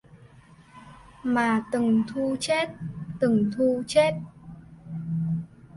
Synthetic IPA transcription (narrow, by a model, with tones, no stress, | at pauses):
maː˨˩t̪ɨ˨˩ŋt̪ʰu˧t͡ɕe˦˥t̚t̪ɨ˨˩ŋt̪ʰu˧t͡ɕe˦˥t̚